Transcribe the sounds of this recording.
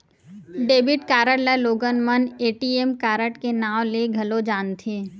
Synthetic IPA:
ɖeːbɪʈkaːɾəɽlaloːɡənməneːʈiːeːmkaːɾəʈkenaːʋleɡʱɐlod͡ʒaːnt̪ʰeː

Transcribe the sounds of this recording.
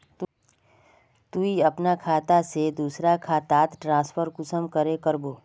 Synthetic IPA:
t̪ | t̪uiɐpnakʰaːt̪ased̪uːsɾakʰaːt̪aːt̪ʈɾãːspʰəɾkʊsəmkəɾekəɾboː

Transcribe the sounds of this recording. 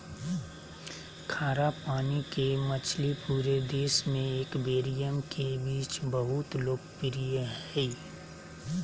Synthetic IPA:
kʰaːɾapaːnikemət͡ʃʰlipuːɾed̪eːsmẽeːkbeːɾijəmkʰebiːt͡ʃbəɦʊt̪loːkpɪɾijəɦɛ

